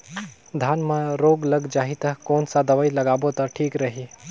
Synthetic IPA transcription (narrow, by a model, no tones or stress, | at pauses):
d̪ʱjaːnmãɾoːɡlɐɡd͡ʒaːɦit̪ɐɦkoːnsad̪ɐʋaːilɐɡaːbot̪ɐʈʰiːkɾɐɦi